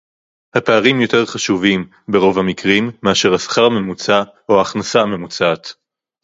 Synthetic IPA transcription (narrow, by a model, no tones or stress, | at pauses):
hapeaʁimjo̞t̪e̞ʁχaʃuvim | be̞ʁo̞vhamikʁimːeaʃe̞ʁhasḁχaʁme̞mut͡sa | oaːχnasame̞mut͡sat̪